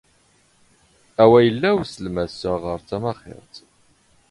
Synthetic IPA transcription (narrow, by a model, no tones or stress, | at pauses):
æwæjəlːæwsəlmæsːaʁəɾt͡sæmɑχɪ̰ɾt̪